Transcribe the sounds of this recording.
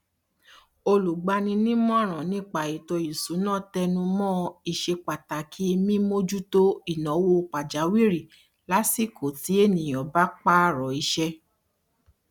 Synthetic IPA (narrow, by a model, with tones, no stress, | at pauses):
o˧lu˨ɡ͡ba˧nĩ˧nĩ˦mɔ̃˦˨ɾ̃ã˨nĩ˦k͡pa˨i˨tɔ˧i˨su˨˦nãː˦˨tɛ˧nũ˧mɔ̃˦i˧ʃe˧k͡pa˨ta˨kʰi˦e˧mĩ˦mo˦d͡ʒu˦to˦i˨nɔ̃˨˦wo˧k͡pa˨d͡ʒa˨˦wi˦ɾi˨ | la˦si˦˨ko˨ti˨˦e˦˨nĩ˨ɔ̃˨ba˦k͡pa˦ɾɔ˨i˧ʃɛ˧